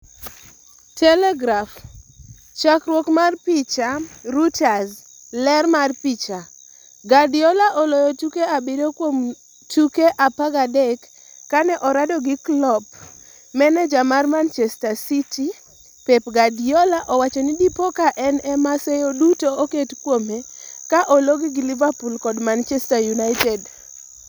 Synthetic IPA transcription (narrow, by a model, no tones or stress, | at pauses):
tɛlɛɡɾaf | t͡ʃakɾwokmarpit͡ʃarutaz | lɛrmarpit͡ʃa | ɡadiɔlaʔɔlɔjɔtukeabɪdokwom | tukeʔapaɡadɛkː | anɛʔɔɾadɔɡɪklɔp | mɛnɛd͡ʒamarmant͡ʃɛstasiti | pepɡadiolaʔɔwat͡ʃɔnidipokaʔɛnɛmasɛjodutooketkwomekaʔoloɡiɡilivapulkɔdmant͡ʃɛstajunaɪtɛd